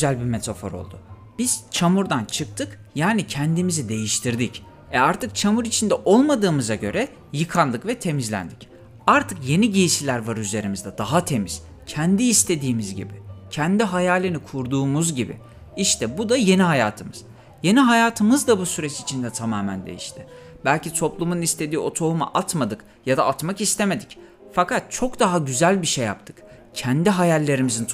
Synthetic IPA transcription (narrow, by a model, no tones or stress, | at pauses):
zælʲbime̞t̪ʰafo̰ɾo̞̰lˠd̪ʊ | b̥iz̥t͡ʃʰamuɾd̪ant͡ʃʰɯk̚t̪ʰɯk | jaːnicʰɛnd̪imizid̪e̞jiʃt̪ʰiɾd̪ic | ɛaɾt̪ʰɯk̚t͡ʃʰamuɾit͡ʃʰind̪ɛʔo̞lˠmad̪ɯːmɯzaɟø̞̰ɾɛ | jɯkʰanlˠɯkvɛt̪ʰe̞mizlʲæ̰nd̪ic | aɾt̪ʰɯkje̞niɟijisilʲæɾvaɾyzlʲe̞ɾimizd̪ɛd̪̥aɦat̪ʰe̞miz̥ | cʰɛnd̪iːst̪ʰe̞d̪iːmizɟḭbicʰænd̪iɦajaːlʲinikʰuɾd̪uːmuzɟibḭ | iʃt̪ʰɛbud̪aje̞niɦaja̰ːt̪ʰɯmɯz̥ | je̞niɦajaːt̪ʰɯmɯzd̪abusyɾɛt͡ʃit͡ʃʰind̪ɛt̪ʰamaːmænd̪e̞̰jiʃt̪ʰɪ | bælʲcit̪ʰo̞plˠumunist̪ʰe̞d̪iːo̞t̪ʰo̞uma̰ʔat̪mad̪ɯk | jad̪aːt̪makist̪ʰe̞me̞d̪ic | fakat̪̚t͡ʃʰo̞kd̪aɦaɟyzælʲbiʃejːa̰pt̪ʰɯ̥k | cʰænd̪iɦajalʲːe̞ɾimizin